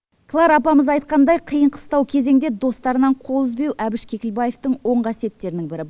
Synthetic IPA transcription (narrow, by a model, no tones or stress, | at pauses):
klˠɑɾɑpɑməzɑjt̪̚qɑnd̪ɑjqʰəjəɴqʰə̥st̪ɑwkʲʰe̞ze̞ŋd̪e̞d̪o̞st̪ɑɾənɑɴqʰo̞lˠəzbe̞wʔæbɪʃkʲʰe̞kʲɪlbɑje̞ft̪əɴwo̞ɴqʰɑsije̞t̪ːe̞ɾɪnɪŋbɪɾɪ